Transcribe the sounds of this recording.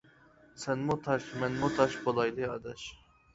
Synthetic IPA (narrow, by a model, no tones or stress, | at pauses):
sɛnmʊt̪ʰɑʃmɛnmut̪ʰɑʃbolˠɑjd̪ɨɑd̪ɛʃ